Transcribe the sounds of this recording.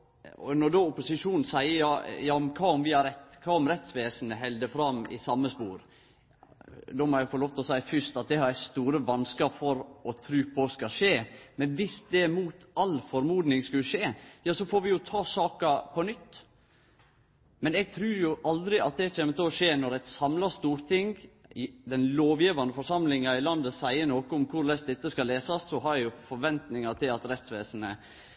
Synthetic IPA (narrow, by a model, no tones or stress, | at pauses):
ɔ̰nɔdoːʊpʊsɪʂuːnn̩sæɪəjɑjɑːɔmkʰɑːɔmʋɪhɑɾɛt̪ːkʰɑːɔmɾɛt̪sʋeːsən̩əɦɛld̪əfɾɑmɪ̰sɑmːəspṵːɾ | d̪oːmɔɾæfɔloːʋt̪ʰlɔsæɪfʏʂt̪ɑt̪̚d̪ɛhɑɾæst̪uːɾəʋɑnskəfɔɾɔt̪ʰɾʉːpʰɔskɑʂeːmɛnʋɪsd̪ɛmuːt̪ɑlːfɔɾmuːd̪nɪŋskʉlʂeːjɑːsɔfoːɾʋɪjʊt̪ʰɑːsɑːkɑpʰɔnʏt̪ː | mɛnɛɡ̚t̪ʰɾʉːɾjʊʔɑld̪ɾɪɑt̪̚d̪ɛt͡ʃʰeːmət̪ɪlɔʂeːnɔɾæɪt̪sɑmlɑst̪uːɾt̪ʰɪŋɪd̪ɛnloːʋjiːʋɑnəfɔʂɑmlɪŋɑɪlɑnd̪əsæɪənoːkəʊmkʰʊɾlɛst̪̚d̪ɛt̪ːəskɑlːeːsɑsːɔɦɑɾɛjʊfɔɾʋɛnt̪nɪŋɑt̪ʰɪlɑt̪ɾɛt̪sʋeːsənə